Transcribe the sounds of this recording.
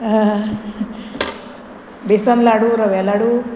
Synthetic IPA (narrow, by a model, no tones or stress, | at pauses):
besɐnlaɽuɾɐʋɛlaɽu